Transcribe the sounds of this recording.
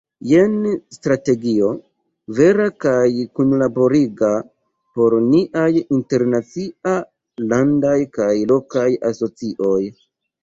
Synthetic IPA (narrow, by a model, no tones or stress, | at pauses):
jenstɾate̞ɡio̞ | ve̞ɾakajkunlabo̞ɾiɡa | po̞ɾniʔajinte̞ɾnat͡sia | landajkajlo̞kajaso̞t͡siʔo̞j